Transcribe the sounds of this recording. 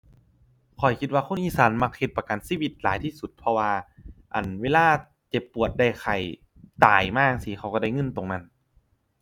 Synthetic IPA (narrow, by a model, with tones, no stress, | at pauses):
kʰɔ˨˩jkʰi˧t̪̚waː˧kʰo˥˨nʔiː˧˩saː˨˦nma˧k̚he˧t̪̚pa˧ka˨˩nsiː˧˨wi˧t̪̚laː˨˦jt̪ʰiː˧˥˩su˨˧˦t̪̚pʰɔ˧waː˧ʔa˨˩nweː˧˥˨laː˧˥˩ | t͡ɕe˨˧˩pːu˨˩ət̪̚da˧˩jxʰa˨˩j | t̪aː˨˩jmaː˧˥˩k̚si˧˩xʰa˧˩wka˧˩da˧˩jŋɤ˧˥˨nt̪o˨˩ŋna˧˥˨n